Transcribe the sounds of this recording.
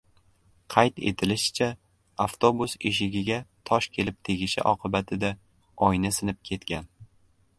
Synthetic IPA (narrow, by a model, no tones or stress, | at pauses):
qʰɑjt̪e̞̰t̪ʰɪlɪʃɪ̥t͡ʃʰa | aft̪ʰobuseʃɪɡʲɪɡʲat̪ʰɒʃkʲʰe̞lɪp̚t̪ʰe̞ɡʲɪʃɪ̰ʔɒqʰɨbat̪ʰɪd̪a | ɒjnasɪnɪp̚kʲʰe̞t̪kʲan